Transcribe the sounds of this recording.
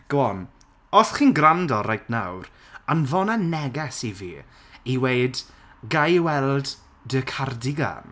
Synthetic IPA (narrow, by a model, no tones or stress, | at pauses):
ɡ̥ɔn | ɔθχiːnɡrandɔɾajtʰnawɾ | anvɔnanɛɡɛsivḭː | iwejd | ɡajwɛlˠd | dəkʰardɪɡa̰n